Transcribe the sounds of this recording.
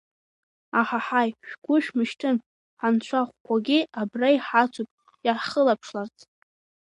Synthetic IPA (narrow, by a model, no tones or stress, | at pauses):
aħaħajʃᶣɡʷʊʃᶣmɨʃtʰɨn | ħant͡ɕʷʰaχʷkʷaɡʲɪabrajħat͡sʷʰupʼ | jarχəlapʰʂlart͡sʼ